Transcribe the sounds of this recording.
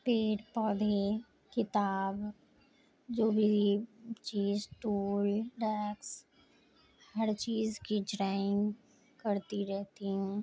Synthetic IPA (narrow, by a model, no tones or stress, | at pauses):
peːʈpɔːd̪ʱe | kɪt̪aːb | d͡ʒoːbʱi | t͡ʃiːzʈuːlɖɛːks | hɐɾt͡ʃiːzkid͡ʒɾaːɪ̃ŋɡ | kɐɾt̪iɾɛɦt̪iɦɛ̃ː